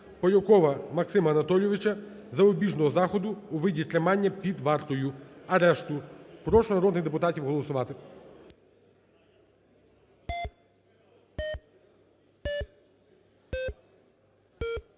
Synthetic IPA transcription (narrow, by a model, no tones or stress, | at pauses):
pɔjʲɔkɔʋɐmɐksɪmɐɐnɐt̪ɔlʲjɔʋɪt͡ʃɐ | zɐɔbʲiʒnɔɦɔzɑxɔd̪ʊːʋɪdʲit̪ɾʲɐmɑnʲːɐpʲid̪ʋɑrt̪ɔjʊɐɾɛʃt̪ʊpɾɔʃʊnɐɾɔd̪nɪxd̪epʊt̪ɑtʲiwɦɔlˠɔsʊʋɑt̪ɪ